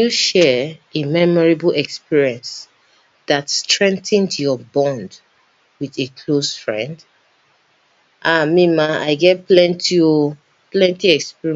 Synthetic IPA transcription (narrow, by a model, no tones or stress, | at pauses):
uʃɛemɛmɔɹibl̩ɛkspiɹiɛ̃ns | ðatstɹɛ̃ŋ̚tə̃ntjɔbɔ̃nd | wiðekʰlosfɹɛ̰̃nd | ʔamĩmãa̰ɪɡɛt̚plɛ̃ntio | plɛ̃ntiɛkspiɹi